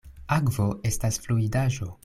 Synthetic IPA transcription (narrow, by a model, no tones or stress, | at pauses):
akvoʔe̞stasfluidaʒo̞